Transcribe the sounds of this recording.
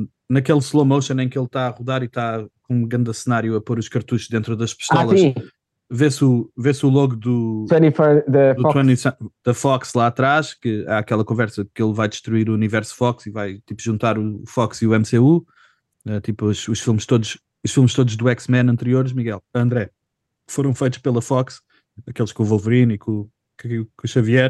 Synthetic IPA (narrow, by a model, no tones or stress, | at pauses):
nɐkelˠslˠomɐwʃɐ̃nẽj̃kelˠt̪aɐʁuðaɾit̪akõũɡɾɐ̃nd̪ɐsɨnaɾjuɐpoɾuʃkɐɾt̪uʃʒd̪ẽnt̪ɾuðɐʃpɨ̥ʃt̪ɛlˠɐiʃ | vesuvesulˠɔɣud̪ut̪wɐnifɐd̪ɐd̪ut̪ɐnisɐ̃d̪̥ɐfɔkslˠaɐt̪ɾaʃkɨa̰ɐkɛlˠɐkõvɛɾsɐðkelˠvajd̪ɨʃt̪ɾuiɾuːnivɛɾsu̥fɔksivajt̪ipuʒũnt̪aɾufɔksiuɛmseu | ɛt̪ipɐʃuʃfilˠmʃt̪oðuʃ | uʃfilˠmʃt̪od̪uʒd̪uɛksmɛ̃nɐ̃nt̪ɨɾioɾʃmiɣɛlˠɐ̃nd̪ɾɛ | foɾɐ̃w̃fɐjt̪u̥ʃpelˠɐfɔks | ɐkelˠʃkõuvɐlˠvɨɾinikũ | kkũʃɐviɛɾ